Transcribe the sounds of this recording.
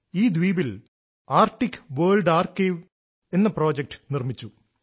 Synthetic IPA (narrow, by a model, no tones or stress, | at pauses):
iːd̪ʋiːbil | aːrʈːikːʋɐːɭɖaːrkeːʋ | e̞nːɐpro̞ːd͡ʑek̚ʈɨ̥nirmit͡ɕːu